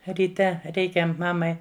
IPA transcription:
rʲiːˈtʲɛ ˈrʲɛɪkʲɛ ˈmɑːmɐɪ

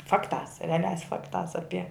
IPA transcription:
ˈfɑːktɑːs rʲɛɐˈlʲæːs ˈfɑːktɑːs ˈɑːpʲiɛ

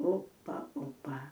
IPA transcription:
ˈoːpɐ ˈoːpɐ

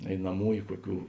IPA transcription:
ɛɪnɐˈmuːjʊ ˈkuɔˌkʲuː

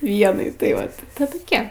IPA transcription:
ˈʋʲiɛnɐɪ tɐɪ ˈʋɐt tɜ toːˈkʲiɛ

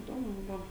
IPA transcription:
ɪˈdoːmʊ ˈbʊʋoː

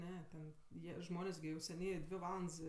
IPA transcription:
ˈnʲɛ tʲɛn ˈjiɛ ˈʒmoːnʲeːs ɡʲɪ ʊʃʲsʲɛˈnʲiː ˈdʲʋʲɪ ˈʋɑːlˠɐnts

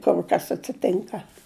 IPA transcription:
ˈkʊr kɐs ɐtʲsʲɪˈtʲɪŋkɐ

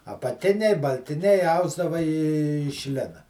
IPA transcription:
ɐpɐˈtʲɪnʲɛɪ bɐlʲtʲɪˈnʲɛɪ ˈɐʊzdɐʋɐ ɪʃ ˈlʲɪnɐ

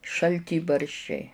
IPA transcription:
ʃɐlʲˈtʲiːbɐrʲʃʲt͡ʃʲɛɪ

